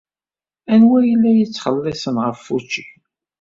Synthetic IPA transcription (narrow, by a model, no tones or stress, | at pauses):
ænwæjəlːæjət͡sːχəlːɪsənʁəfːut͡ʃːi̥